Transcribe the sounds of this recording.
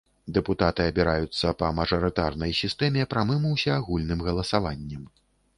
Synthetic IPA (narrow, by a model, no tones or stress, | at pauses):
d̪ɛput̪at̪ɨɐbʲiɾajut̪sːɐpɐmɐʐɐɾɨt̪arnɐjsʲist̪ɛmʲɛpɾamɨmuwsʲɛːɣulʲnɨmɣɐlˠɐsavanʲːɛm